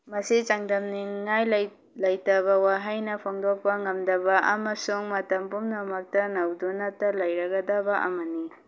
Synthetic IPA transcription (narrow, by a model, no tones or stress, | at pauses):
mɐsit͡ʃaŋdɐmniŋːajl | lɐjtɐβɐwaɦajnɐpʰoŋdok̚pɐŋɐmdɐbɐʔɐ̰mɐsuŋmɐtɐmpumnɐmɐk̚tɐnawdunatɐlɐjɾɐɡɐdabaʔɐmɐni